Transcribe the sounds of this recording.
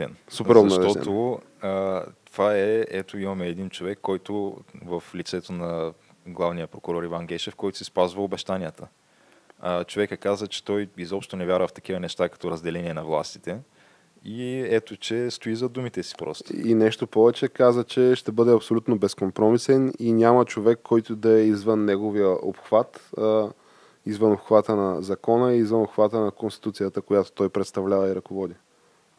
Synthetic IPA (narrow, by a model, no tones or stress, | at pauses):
ɛ̰nsuɛɾɐʃt̪ɔt̪o | ət̪ov̥aɛɛt̪oimɐmɛːd̪int͡ʃovɛkːɔjt̪ʊvɐflit̪sɛt̪onɐ | ɡlˠavnijəpɾokʊɾɔɾivanɡ̟ɛʃɛfkɔjt̪ʊ̥sispazvɐobɛʃt̪aniət̪ʰə | ət͡ʃovɛkəkazət͡ʃɛ̥t̪ɔjizɔpʃt̪onɛvjaɾvəft̪ɐ̥k̟ivənɛʃt̪akɐ̥t̪ɔɾɐzd̪ɛlɛnʲiɛnɐvlˠa̰st̪i̥t̪ɛ | iɛt̪ot͡ʃɛst̪oizɐd̪umit̪ɛsi̥pɾɔ̰st̪oinɛʃt̪opɔvɛt͡ʃɛkazət͡ʃɛʃt̪ɛbɤd̪ɛɐpsolʲut̪nobɛskompɾɔmisɛninʲamət͡ʃovɛkʰːɔjt̪ʊd̪ɐɛizvənːɛɡovijəʔo̰pxv̥at̪ | izvənopxvat̪ənɐzɐkɔnəiːzvənopxvat̪ənɐkonst̪i̥t̪ut̪sijət̪əkojat̪o̥t̪ɔjpɾɛt̪st̪ɐvlʲavɐiɾɐkovɔd̪i